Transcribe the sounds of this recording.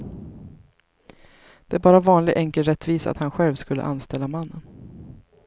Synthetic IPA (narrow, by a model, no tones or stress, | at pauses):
d̪̥ɛæɾbɑːɾavɑːnlɪɡʔɛŋkəlɾɛt̪ʰːviːsa̰t̪hanɧɛlvskɵlːə̰ʔa̰nst̪ɛlːamanːən